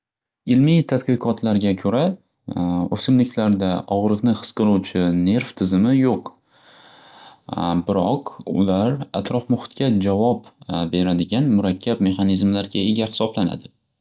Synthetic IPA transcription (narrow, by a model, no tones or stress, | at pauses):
ɪlmijt̪ʰad̪qɨqʰɒt̪ʰlaɾɡʲakʰɵɾa | ɵsɪmlɪkʲlaɾd̪aɒʁɾɨqnɪhɨ̥sqɨɾˠuwt͡ʃʰɪne̞ɾft̪ʰɪzɪmɪjoq | bɪɾɒqʊ̰laɾa̰t̪ʰɾɒfmʊχɪ̥t̪̚kʲʰad͡ʒavɒpbe̞ɾad̪ɪɡʲanmʊɾakʲʰːabme̞χɑnizmlaɾɡʲae̞ɡʲahɪ̥sɒblana̰d̪ɪ